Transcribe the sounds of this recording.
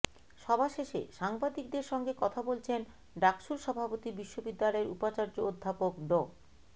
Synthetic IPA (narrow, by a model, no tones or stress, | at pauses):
ʃɔbʱaʃeʃḛʃaŋbad̪ik̚d̪eɾʃɔŋɡekɔt̪ʰabolt͡ɕʰen | ɖakʃuɾʃɔbʱapot̪ibiʃːobid̪ːalɔeɾupat͡ɕaɾd͡ʑood̪ʱːapokɖo